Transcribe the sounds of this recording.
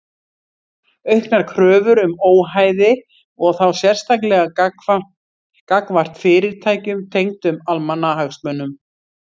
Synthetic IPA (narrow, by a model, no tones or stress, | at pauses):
œɥhknaɾ̥kʰɾœːvʏɾʏmoːwɦaːjðɪ | ɔɣθawsjɛr̥st̪ak̬lɛɣa | kakvar̥t̪fɪːɾɪɾt̪ʰaːjcʏmt̪ʰejŋt̪ʏmalmanaɦaxsmœnːʏm